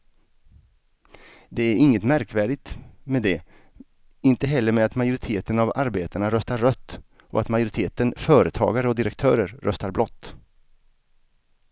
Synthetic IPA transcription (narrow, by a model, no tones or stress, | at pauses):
d̪ɛæɾɪŋːət̪mæɾkvæːɖɪt̪mɛd̪ɛ | ɪnt̪əɦɛlːəɾmɛat̪majʊɾɪt̪ʰeːt̪ənava̰ɾbeːt̪aɳaɾœst̪aɾœt̪ː | ɔ̰at̪majʊɾɪt̪ʰeːt̪ənfœːɾət̪ʰɑ̰ːɡaɾəɔd̪ɪɾɛk̚t̪ʰœːɾəɾːœst̪aɾblɔt̪ː